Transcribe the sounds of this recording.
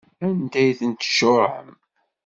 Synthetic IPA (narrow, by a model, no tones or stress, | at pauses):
ænd̪æjθənt̪ʃʊʕə̰m